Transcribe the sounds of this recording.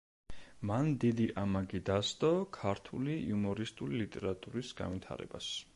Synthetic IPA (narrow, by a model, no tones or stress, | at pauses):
mand̪id̪iʔamaɡid̪ast̪ʼɔkʰaɾt̪ʰuliiumɔɾist̪ʼulilit̪ʼɛɾat̪ʼuɾisɡa̰nvit̪ʰa̰ɾɛ̰bas